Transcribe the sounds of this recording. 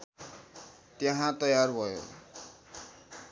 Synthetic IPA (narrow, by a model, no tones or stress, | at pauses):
t̪jʌɦãt̪ʌjarbʱʌjo̰